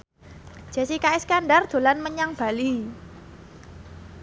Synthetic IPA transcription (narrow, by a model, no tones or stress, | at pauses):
d͡ʒ̥a̤sikaɪskanɖard̪̥o̤lanməɲaŋb̥a̤li